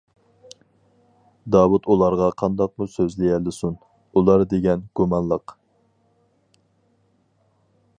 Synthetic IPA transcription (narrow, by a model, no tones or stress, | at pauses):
d̪ɑːwut̪ʰulˠɑɾʁɑqʰɑnd̪ɑq̚musøzlɪjɛlɪsun | ulˠɑɾd̪eɡʲɛnɡ̥umɑnlˠəq